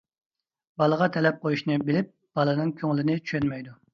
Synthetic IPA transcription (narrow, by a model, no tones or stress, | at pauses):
bɑlˠəʁɑt̪ʰɛlɛp̚qʰojuʃnɨbɪlɪp̚ | b̥ɑlˠɨnɨŋkʲʰøŋlɪnɪt͡ʃʰy̥ʃønmɛjd̪u